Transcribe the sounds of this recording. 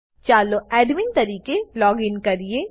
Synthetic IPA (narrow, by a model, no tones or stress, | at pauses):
t͡ʃaːloɛːɖmɪnt̪ɐɾiːkelɔːɡɪnkɐɾie